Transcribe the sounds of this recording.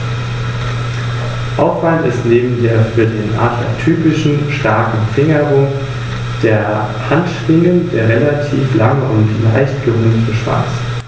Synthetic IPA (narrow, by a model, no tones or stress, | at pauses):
ʔaʊfv̥alntɪ̰stneːbm̩deːɐfyːɐdeːnʔa̰tʰla̰tʰyːpɪʃn̩ʃtaɐkŋ̩fɪŋəʁʊŋ | d̥eːɐ | hantʃl̥ɪŋəndeːɐʁelatʰiːflaŋəʔʊ̰ntla̰ɪçt̚ɡ̥əʁoːntəʃv̥a̰ɐt͡s